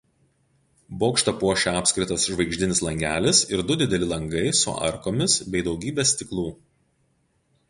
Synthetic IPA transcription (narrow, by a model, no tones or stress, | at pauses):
boːkʃt̪ɐpuɔʃʲɛɑːpʲsʲkɾʲɪt̪ɐsʒʋɐɪɡʒʲd̪ʲɪnʲɪslˠɐŋʲɡʲæ̰ːlʲɪsɪɾd̪ʊd̪ʲɪd̪ʲɛlʲɪlˠɐŋɡɐɪsʊ̰ɐ̰ɾkoːmʲɪsbʲɛɪd̪ɒʊɡʲiːbʲeːsʲt̪ʲɪklˠuː